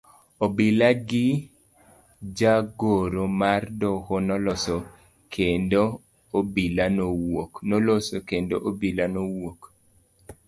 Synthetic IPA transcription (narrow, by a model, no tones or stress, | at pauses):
obilaɡɪ | d͡ʒaɡoɾomardɔkɔnɔlɔso | kʰendo | obilanowoknɔlɔsokendoʔobilanowok